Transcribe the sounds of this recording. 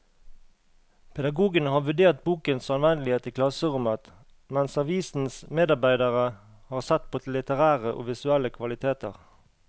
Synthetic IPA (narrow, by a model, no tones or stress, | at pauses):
pʰɛd̪ɑɡuːɡənəhɑːʋʉd̪eːʁt̪̚buːkənsɑnʋɛnd̪lɪeːt̪ɪkʰlɑsəʁʉmət̪ | mɛnsɑʋiːsn̩smeːd̪ɑʁbæɪd̪əʁə | hɑːʁsɛt̪̚pʰoːt̪ʰl̩ːɪt̪əʁæːʁəʔo̰ːʋɪsʉɛləkʰʋɑlɪt̪ʰeːt̪ə̰ʁ